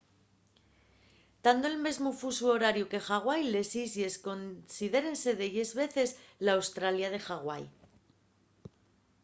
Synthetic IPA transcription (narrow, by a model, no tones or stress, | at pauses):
d̪̥and̪oelme̞zmufusuoɾaɾjuke̞xaɣ̞wajle̞sisie̞sko̞nsiðe̞ɾe̞nse̞ðeʝe̞zβe̞θe̞zlaːwst̪ɾaljað̞e̞xaɣwa̰j